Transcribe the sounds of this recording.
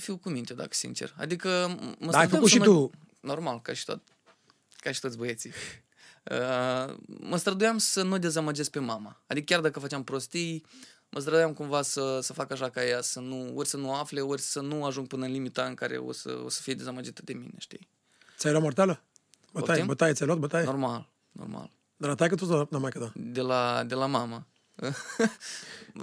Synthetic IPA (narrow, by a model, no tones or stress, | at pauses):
fiwkumint̪ʲed̪a̰kə̥sḭnt͡ʃe̞̰ra̰d̪ikəməstaɾəd̪aʃimu | no̞rmalkaʃi̥t̪o̰t̪̚ | kaʃi̥t̪ot̪ʲboje̞t̪sij | ə̰ | məst̪ɾəd̪ujamsənud̪e̞zamad͡ʒe̞sk̚pe̞mamaːd̪ikəkʲard̪akəfat͡ʃeampɾo̞st̪ij | mʔəst̪ɾəd̪ujamkumvasəsəfakaʃakajasənuorʲsənuafle̞orʲsənuaʒuŋɡ̚pɨnəɨnlimit̪aɨŋkaɾḛo̰sə̰o̰sə̥fijed̪e̞zamad͡ʒit̪ə̥d̪e̞mḭne̞̰ʃt̪ij̪ | sʲajlamort̪alə | bət̪aimbət̪ajesʲajlat̪bət̪ajenormal | no̰rma̰l | d̪alat̪ajkət̪usnamajkəd̪ad̪elad̪e̞lamamə | ə